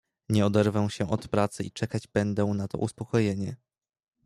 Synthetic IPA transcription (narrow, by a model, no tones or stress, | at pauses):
ɲɛɔd̪ɛɾvɛw̃ɕɛʔɔt̪pɾat̪sɘit͡ʂɛkad͡ʑbɛnd̪ɛw̃nat̪ɔ̰ʔuspɔkɔjeɲɛ